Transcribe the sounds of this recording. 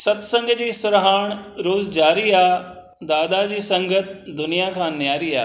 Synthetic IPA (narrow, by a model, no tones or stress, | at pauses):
sɐt̪sɐ̃ŋɡəd͡ʑiːsʊɾɦaːɽ̃ɾoːzd͡ʑaːɾiaː | d̪aːd̪ad͡ʑiːsɐ̃ŋɡət̪d̪ʊnijakʰãːnjaːɾia̰ː